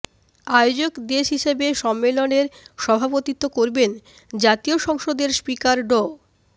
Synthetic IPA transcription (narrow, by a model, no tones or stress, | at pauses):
aeod͡ʑokd̪eʃɦiʃebeʃɔmːeloneɾʃɔbʱapot̪it̪ːokoɾben | d͡ʑat̪ioʃɔŋʃod̪eɾspikaɾɖo